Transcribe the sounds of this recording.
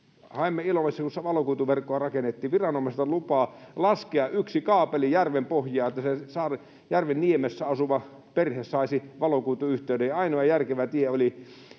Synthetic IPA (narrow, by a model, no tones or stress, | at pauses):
hɑemːeilomesːɑkusɑʋɑlokuːt̪uʋerkːoɑrɑkenːet̪ːiːʋirɑnomest̪ɑlupɑːlɑskeɑʔʔyksikɑːpelijærʋempohjˑɑːet̪ːæsesɑːr | jærʋenniemesːæɑsuʋɑ | perhessɑisiʋɑlokuːt̪uyht̪eydejɑɑinoɑjærkeʋæt̪ieoli